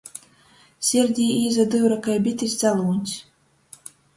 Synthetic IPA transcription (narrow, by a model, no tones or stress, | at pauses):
sʲiɾʲd̪ʲijiːzad̪ɨwɾakajbʲit̪ʲisʲd̪zalˠuːnʲsʲ